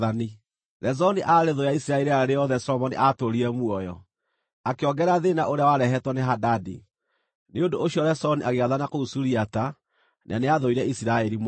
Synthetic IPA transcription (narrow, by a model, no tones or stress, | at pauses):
ani | ðɛzɔniʔaɾeðojaisiɾaɛɾiaɾejɔðɛsɔlɔmɔniʔatoɾiɾɛmwɔjɔ̰ | akeɔɡɛɾaðenaʔoɾeawaɾɛɦɛtwɔneɦadadḭ | neondooɕiɔɾɛsɔniʔaɣeaðanakousuɾiata | nʔa̰neaðoiɾɛisiɾaɛɾim